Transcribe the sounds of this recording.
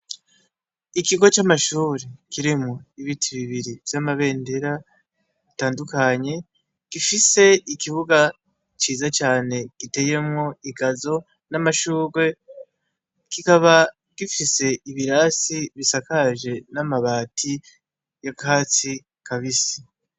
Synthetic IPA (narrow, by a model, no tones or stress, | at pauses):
ikiɡo̞t͡ʃamaʃuːɾekiɾimŋuiβitʰiβiβiɾiv̥jamaβe̞ːndeɾa | βitaːndukaɲe̞ | ɡ̥ifise̞ikiβuɡa | t͡ʃiːzat͡ʃaːne̞ɡ̥ite̞je̞mŋo̞iɡazo̞ | namaʃuːɡwe̞ | kikaβa | ɡ̥ifise̞iβiɾasiβisakaʒe̞namaβaːtʰi | jakaːt͡si | kaβisi̥